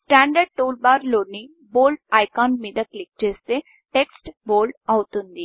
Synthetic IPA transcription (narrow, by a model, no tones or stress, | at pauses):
sʈæ̃ːɳɖəɾɖ̚ʈoːlbaːɾloːni | boːlʈajkaːnmed̪əklek̚t͡ʃest̪e | ʈeksʈboːlɖɐwt̪und̪i